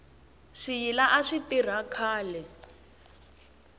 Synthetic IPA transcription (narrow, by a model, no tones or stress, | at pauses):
ʂijilaʔaʂitir̤akʰaːlɛ